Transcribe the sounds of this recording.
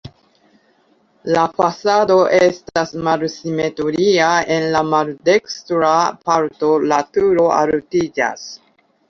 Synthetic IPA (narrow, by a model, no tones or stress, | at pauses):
lafasado̞ʔestasmalsimetoɾiae̞nlamalde̞kstɾapaɾto̞latuɾo̞ʔa̰lutid͡ʒa̰s